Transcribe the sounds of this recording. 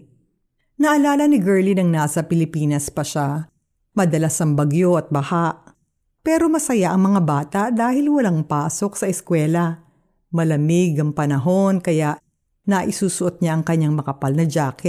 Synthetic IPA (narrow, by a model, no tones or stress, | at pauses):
nɐʔɐlaːlɐnɪɡɛɹlinɐŋnaːsɐpɪlɪpiːnɐspɐʃa | mɐd̪ɐlasɐŋbɐɡjo̞ʔɐt̪̚bɐhaʔ | pɛːɾo̞mɐsɐjaʔɐŋmɐŋabaːt̪ɐʔd̪aːhɪlwɐlaŋpaːso̞ksɐʔɛskwɛːlɐ | mɐlɐmɪɡɐŋpɐnɐɦo̞nkɐjaʔ | nɐʔɪsuːsʊʔot̪̚ɲaʔɐŋkɐɲaŋmɐkɐpalnɐd͡ʒaːkɛ